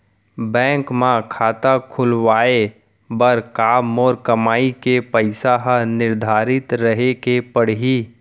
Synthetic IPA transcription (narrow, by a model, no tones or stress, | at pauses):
bɛ̃ːŋkmãkʰaːt̪akʰʊlwaːe | bɐɾkaːmɔːɾkɐmaːikepəɪsaɦnɪɾd̪ʱaːɾɪt̪ɾɐɦekepəɽɦiː